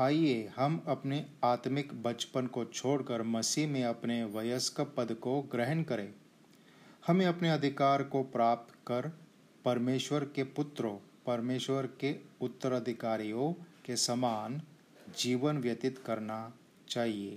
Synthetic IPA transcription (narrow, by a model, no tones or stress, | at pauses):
aːiehɐmɐpneaːt̪mɪkbɐt͡ʃpənkot͡ʃʰoːɽkəɾmɐsimẽɐpneʋɐjəskpəd̪koɡɾɪɦənkɐɾẽː | hɐmẽɐpneɐd̪ʱɪkaːɾkopɾaːp̚t̪kɐɾ | pɐɾmeːʃwəɾkepʊt̪ɾõpɐɾmeːʃwəɾkeʊt̪ːəɾəd̪ʱɪkaːɾijõkesɐmaːn | d͡ʒiːʋənʋjɐt̪ɪt̪kɐɾna | t͡ʃaːɦieː